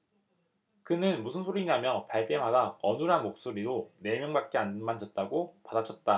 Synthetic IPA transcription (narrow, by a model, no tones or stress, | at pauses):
kɯnɯnmusʰɯnsʰoɾiɲamjʌpaɭt͈e̞madaʌnɯɾɦanmok̚s͈oɾiɾone̞mjʌŋbak̚k͈eanmand͡ʑʌt̚t͈aɡopadat͡ɕʰʌt̚t͈a